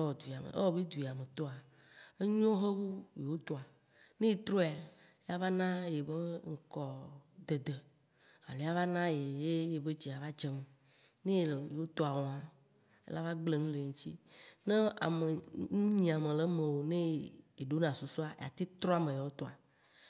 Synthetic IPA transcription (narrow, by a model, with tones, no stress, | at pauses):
wɔ˨d̪u˨i˨a˨mḛ˨ʔḛ˦wɔ˦be˦d̪u˨i˨a˨me˨t̪o˦a˨ | e˦ɲõ˦ɦe˦wu˦je˨wo˦t̪o˦a˨ | nẽ˦je˨t̪ɾo˦˨a˨˦ | a˦va˦nã˦je˨be˦ŋ̩˨kɔ˨d̪e˨d̪e˨ | a̰˨le˨˦a˦va˦nã˦je˨je˦je˨be˦d͡ʒi˨a˨va˦d͡ʒe˦me˨ | nẽ˦˨lje˨wo˦t̪o˦a˨wɔ˨ã˨ | ḛ˦la˦va˦ɡ͡ble˨ŋũ˦le˨ŋũ˦t͡ɕi˦nẽ˦a̰˨me˨ŋu˦ɲĩ˨a˨me˨le˦mẽ˨wo˨nẽ˦je˨ɖo˦nã˨su˨su˦a˨ḛ˨a̰˨t̪i˦t̪ɾɔ˦a˨mẽ˨je˨wo˦t̪o˦a˨